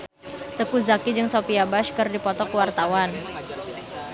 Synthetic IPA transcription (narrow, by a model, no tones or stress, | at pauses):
t̪əkuzakid͡ʒɨŋsopiabaʃkɨrdipɔt̪ɔkəwart̪awan